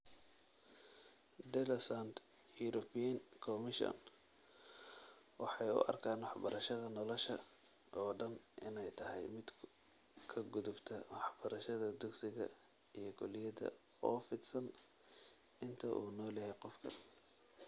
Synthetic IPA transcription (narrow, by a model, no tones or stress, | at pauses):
d̪ɛlɐsand̪ | juɾɔbijɐnkʰɔmɪʃɔ̰n | wɑħɑjʊ̰ʔɐ̰rkʰaːnwɑħbɐɾɐʃɐðɐnɔlɔʃɐ | ʔɔːɖɐnʔɪnɛjt̪ʰɐɦɛjmɪd̪ | kʰɐɡʊðʊbt̪ʰɐwɑħb̥ɐɾɐʃɐðɐd̪ʊɡsɪɣɐ̰ | ijɞɡʰɔlɪjɐðɐ̰ | ɔːfɪd̪sɐn | ʔɪnt̪ʰɐʔuːnɔːlɐhɛjqɔfkʰɐn